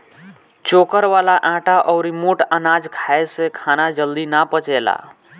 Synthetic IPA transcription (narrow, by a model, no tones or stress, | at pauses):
t͡ʃokəɾʋalaʔãːʈaʔɔʊɾimoʈənad͡ʒkʰaesekʰanad͡ʒəld̪inapət͡ʃela̰